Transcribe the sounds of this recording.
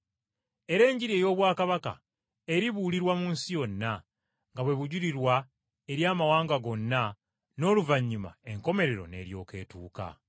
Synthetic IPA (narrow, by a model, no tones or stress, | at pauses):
e̞ɾe̞ːɲɟiɾie̞ːjo̞ːβwaːkaβaka̰ | e̞ɾiβuːliɾwamuːnsijo̞nːa | ŋɡaβwe̞βuɟuɾiɾwa | e̞ɾjaːmawaːŋɡaɡo̞nːa | no̞ːluvaɲːima̰e̞ŋko̞me̞ɾe̞ɾo̞̰ne̞̰ɾjo̞̰ːke̞̰ːtuːka̰